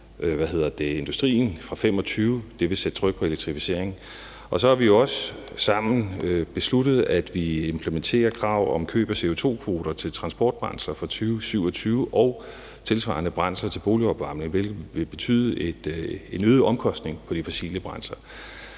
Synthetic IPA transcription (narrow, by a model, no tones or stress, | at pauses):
ʔʋæɦe̝ð̞̰ˠɐd̥e̝e̝nd̥usd̥ʁḭːn̩fʁɑ̈fem̰ɒ̽t͡sʰyːʊd̥e̝ʋe̝sed̥t͡sʰʁœɡ̥̚pʰɒ̽e̝leɡ̚t͡sʰʁifise̝ɐ̰eŋn̩ | ʔɒ̽sɒ̽hɑ̈ʋijoɒ̽s | sɑ̈m̰n̩øb̥e̝sludð̩ˠæd̥ʋiempʰləment͡sʰe̝̰ːɐkʰʁɑ̈ʊ̰ɒ̽mkʰø̰ːb̥ɐse̝o̝t͡sʰo̝̰ːkʰʋo̝ːɾ̥ɐt͡sʰe̝lt͡sʰʁɑ̈nsb̥ɒ̰ːd̥̚b̥ʁɑ̈nsɐfʁɑ̈t͡sʰyːʊsyʊ̰ɒ̽t͡sʰyːʊʔɒ̽ʊ | t͡sʰe̝lsʋɑ̰̈nəb̥ʁɑ̈n̰sɐt͡sʰe̝lb̥o̝ːliɒ̽b̥ʋɑ̈mneŋʋelɡʋe̝b̥e̝t͡sʰy̰ðˠed̥e̝nøːðˠʔɒ̽mkʰɒ̽sd̥ne̝ŋpʰɒ̽d̥ifɒ̽sḭːləb̥ʁɑ̈nsɐ